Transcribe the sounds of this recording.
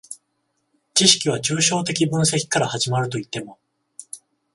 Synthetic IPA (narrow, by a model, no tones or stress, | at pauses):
t͡ɕiɕi̥kʲiβ̞at͡ɕɨːɕo̞ːt̪̬e̞kʲibɯ̟̃ɰ̃se̞kʲi̥kaɾahaʑimaɾɯ̟t̪̬o̞it̪ːe̞mo̞